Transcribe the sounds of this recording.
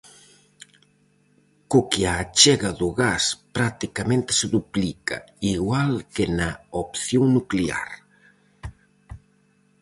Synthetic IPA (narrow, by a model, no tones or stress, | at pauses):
kokɪat͡ʃɛɣɐðʊɣaspɾat̪ikamẽnt̪ɪ̥sɪðuplika̰ | iɣwalkɪnaopθjoŋnuklea̰ɾ